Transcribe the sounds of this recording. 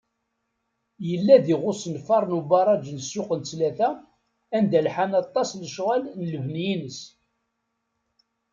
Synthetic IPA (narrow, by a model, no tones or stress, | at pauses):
jəlːæðiʁʊsənfɑɾˤnubɑɾˤɑd͡ʒnəsːʊqənt͡slæθæ | ænd̪ælħanɑt̪ˤːɑsləʃʁælnələvnjinəs